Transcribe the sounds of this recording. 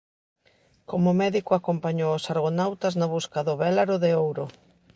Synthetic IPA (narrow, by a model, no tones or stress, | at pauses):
komʊmɛðikʊakompaɲoʊsaɾɣonawt̪aznaβuskaðʊβɛlaɾʊðɪowɾʊ